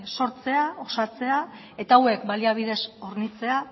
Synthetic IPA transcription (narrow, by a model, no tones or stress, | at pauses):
so̞ɾt͡se̞ao̞sat͡se̞a | e̞t̪aːwe̞k̚baliaβ̞iðe̞so̞ɾnit͡se̞a